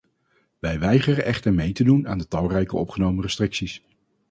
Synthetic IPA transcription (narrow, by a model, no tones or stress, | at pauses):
ʋɛjʋɛjχərənʔɛχtəɹmejtəduna̰ːndətɑlˠrɛjkəɔpχənowmərəstrɪksis